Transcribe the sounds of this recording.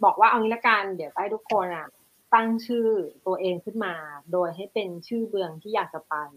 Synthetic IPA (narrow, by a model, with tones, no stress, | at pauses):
bɔː˨˩k̚waː˥˩ʔa˧wni˦˥lɛ˦˥ka˧ndi˨˩˦əwtaː˥˩t̪ʰu˦˥kʰːo˧nʔa˨˩ | t̪a˥˩ŋt͡ɕʰɯː˥˩t̪u˧ɐʔeː˧ŋkʰɯ˥˩nmaː˧doː˧jɦa˥˩jpe˧nt͡ɕʰɯː˥˩bɯ˧əŋt̪ʰiː˥˩jaː˨˩k̚t͡ɕa˧pa˧j